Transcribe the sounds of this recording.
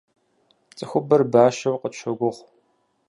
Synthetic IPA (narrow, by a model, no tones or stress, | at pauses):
t͡sʼɨxʷʊbɐrbaːʃɐwqət͡ʃʰɐɡʷʊʁʷ